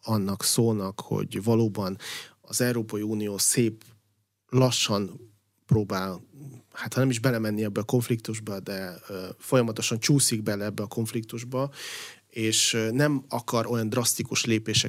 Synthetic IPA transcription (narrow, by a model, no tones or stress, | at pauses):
ɒnːɒksoːnɒkho̞̰ɟvɒloːbɒn | ɒzɛuɾoːpɒjiuːnijoːseːp | lɒʃːɒn | proːbaːlhaːt̪hɒnɛmiʒbɛlɛmɛnːiɛbːɛːko̞ɱflik̚t̪uʒbɒd̪ɛfo̞jɒmɒt̪o̞ʃɒnt͡ʃuːsiɡ̚bɛlɛɛbːɛɒko̞ɱflik̚t̪uʒbɒ | eːʃnɛmɒkɒɾo̞jɒnd̪rɒst̪ikuʃleːpeːʃɛ